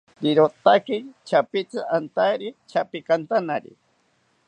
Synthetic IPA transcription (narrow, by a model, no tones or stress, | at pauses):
diɾot̪akɪt͡ʃapɪt͡saant̪aɾit͡ʃapɪkant̪anaɾḭ